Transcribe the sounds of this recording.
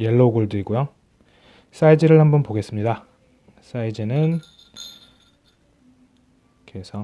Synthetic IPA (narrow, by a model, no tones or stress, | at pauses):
jeɭːoɡuɭdɯiɡujo | s͈aid͡ʑiɾɯɭhanbʌnpoɡe̞s͈ɯmɲida | s͈aid͡ʑinɯn | ke̞sʰʌ